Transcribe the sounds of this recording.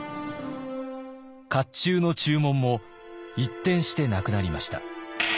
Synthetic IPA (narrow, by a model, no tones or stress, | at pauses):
kat͡ɕːɨːno̞t͡ɕɨːmõ̞mːo̞ | it̪ːẽ̞ɰ̃ɕi̥t̪e̞nakɯ̟naɾʲimaɕi̥t̪a̰